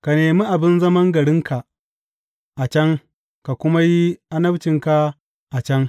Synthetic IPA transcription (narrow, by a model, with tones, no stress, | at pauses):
ka˨neː˨mi˦ʔa˨bɪ˦nzɐ˦mɐ˦ŋɡɐ˨ɽɪ˦ŋkʰa˨ | ʔa˨t͡ʃɐ˦ŋ | ka˨kʷʊ˦ma˦ji˦ʔa˦nɐ˦bt͡ʃɪ˨ŋka˦ | ʔa˨t͡ʃɐ˦ŋ